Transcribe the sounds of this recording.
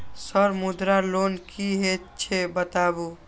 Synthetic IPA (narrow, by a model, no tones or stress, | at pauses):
səɾmud̪ɾalonkiɦett͡ʃʰebət̪abu